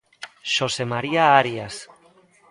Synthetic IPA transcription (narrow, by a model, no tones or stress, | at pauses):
ʃosemaɾiaaɾias